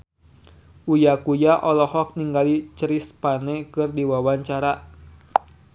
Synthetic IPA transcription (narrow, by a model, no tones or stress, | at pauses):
ʔujakujaʔɔlɔhɔk̚niŋɡalit͡ʃəɾispanekɨrdiwawaɲt͡ʃaɾa